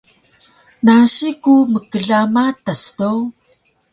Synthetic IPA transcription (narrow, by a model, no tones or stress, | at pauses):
naɕikuməkəɮamatastow